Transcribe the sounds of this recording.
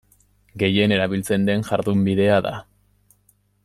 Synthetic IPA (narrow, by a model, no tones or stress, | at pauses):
ɡe̞je̞ne̞ɾaβilt͡se̞nd̪e̞ŋʝaɾðumbiðe̞aða̰